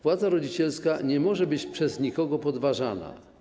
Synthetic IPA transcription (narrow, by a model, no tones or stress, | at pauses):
pwad̪zaɾɔd͡ʑit͡ɕɛlskaɲɛmɔʐɛbɘt͡ɕpʂɛzɲikɔɡɔpɔd̪vaʐana̰